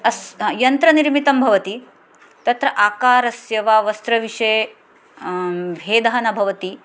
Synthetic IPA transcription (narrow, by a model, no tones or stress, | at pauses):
ɐsjɐnt̪ɾɐniɾmit̪ɐmbʱɐʋɐt̪i | t̪ɐt̪ɾɐʔaːkaːɾɐsjɐʋaːʋɐst̪ɾɐʋiʂɐj | ʋʱeːd̪ɐɦɐnɐbʱɐʋɐt̪i